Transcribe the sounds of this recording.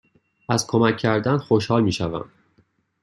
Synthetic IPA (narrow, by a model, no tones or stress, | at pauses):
ʔæzkʰo̞mæcʰːæɾd̪ænxo̞ʃhɒːlmiːʃævæ̰m